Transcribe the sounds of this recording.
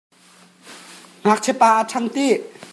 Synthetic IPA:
nak̚t͡ɕʰepaʔatʰaŋt̪i

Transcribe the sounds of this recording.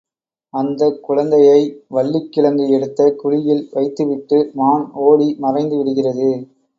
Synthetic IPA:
ɐnd̪ɐkːʊɻɐnd̪ɐjɐɪʋɐɭːɪkːɪɭɐnd̪ɯɛɽɯt̪ːɐkʊɻɪjɪlʋɐɪt̪ːɯʋɪʈːɯmaːɳoːɽimɐrɐɪnd̪ɯʋɪɽɯɣɪrɐðɯ

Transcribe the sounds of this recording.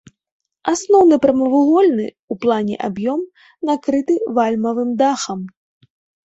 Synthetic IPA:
asnɔwnɨpɾɐmɐvuɣɔlʲnɨ̰ | uplˠanʲɛ̰ʔa̰bjɔm | nakɾɨt̪ɨvalʲmɐvɨmd̪axɐm

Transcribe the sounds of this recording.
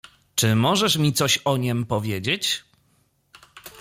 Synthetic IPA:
t͡ʂɘmɔʐɛʂmʲit̪sɔɕɔɲɛmpɔvʲjed͡ʑet͡ɕ

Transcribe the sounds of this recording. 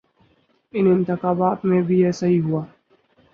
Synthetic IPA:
ɪnɪ̃nt̪ɪxaːbaːt̪mẽbʱiɛːsaɦiɦuaː

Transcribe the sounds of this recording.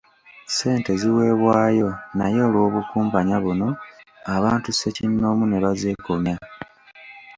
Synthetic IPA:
se̞ːnte̞ziwe̞ːβwaːjo̞najo̞ːlwo̞ːβukuːmpaɲaβuno̞aβaːntuse̞cinːo̞ːmune̞βazeːkoma

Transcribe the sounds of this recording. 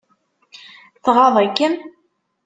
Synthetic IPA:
θʁɑðˤækːən

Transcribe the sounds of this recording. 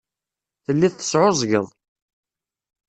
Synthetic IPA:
θəlːiðθə̥sʕʊzˤɡəðˤ

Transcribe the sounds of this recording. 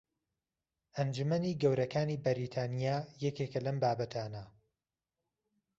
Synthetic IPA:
ʔɐnd͡ʒumɐniːɡɐwɾɐkaːniːbɐɾiːt̪ʰaːnijaːjɛkeːkɐlɐmbaːbɐt̪ʰaːnɐ

